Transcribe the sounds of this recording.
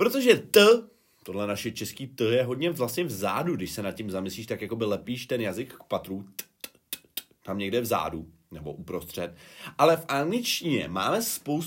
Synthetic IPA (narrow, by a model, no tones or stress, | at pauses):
pɾo̞t̪o̞ʒɛt̪ə | t̪o̞dlɛnaʃɛt͡ʃɛskiːt̪jɛɦo̞dɲɛvlast̪ɲɛvza̰ːduɡdɪʃsɛnat̪̚cɪmzamɪsliːʃt̪akjako̞bɪlɛpiːʃt̪ɛnjazɪkːpat̪ɾut̪t̪ | t̪t̪ | t̪amɲɛɡdɛvza̰ːdu | nɛbo̞̰ʔupɾo̞st̪r̝̥ɛt̪ʔalɛfʔaŋɡlɪt͡ʃciɲɛ̰ma̰ːmɛspows